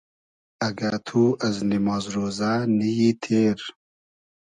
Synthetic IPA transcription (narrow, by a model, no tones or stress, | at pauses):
ɐɡat̪ʰuːʔɐznimɑːzɾoːzanijiːt̪ʰeːɾ